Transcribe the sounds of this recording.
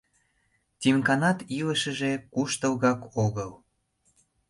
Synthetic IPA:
t̪ʲimkɑnɑt̪iləʃəʒekuʃt̪əlɣɑkoɣəl

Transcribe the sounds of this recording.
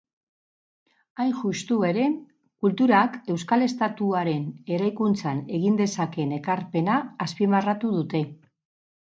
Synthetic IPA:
ajnʝust̪ue̞ɾe̞ | kult̪uɾake̞wskale̞st̪at̪uaɾe̞ne̞ɾajkunt͡sane̞ɣ̞ind̪e̞sake̞ne̞kaɾpe̞naːspimarat̪uðut̪e̞

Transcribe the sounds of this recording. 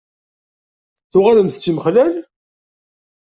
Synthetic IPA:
θʊʁaləmθt͡sːiməχlæl

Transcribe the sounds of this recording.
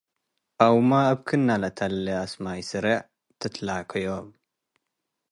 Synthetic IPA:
ʔawmaːβkʰɨnːalat̪ʰalːɐasmajsɨɾɐʕ | t̪ʰɨt̪ʰlakʰɐjom

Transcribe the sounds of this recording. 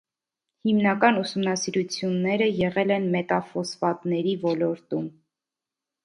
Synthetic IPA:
himnɑkɑnusumnɑsiɾut͡sʰjunːɛɾəjɛʁɛlɛnmɛt̪ɑfɔsvɑt̪nɛɾivɔlɔɾt̪um

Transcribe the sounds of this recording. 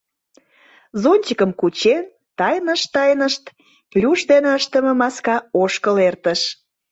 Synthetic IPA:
zonʲt͡ɕəkəmkut͡ɕen | t̪ɑjnəʃt̪ɑjnəʃt̪ | plʲuʃd̪eneəʃt̪əmə̆mɑskɑoʃkəlert̪əʃ

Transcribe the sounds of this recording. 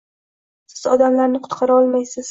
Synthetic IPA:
sɪz̥ɒd̪amlaɾnɪqʰʊ̥t̪qʰɑɾaɒlˠmajsɪz̥

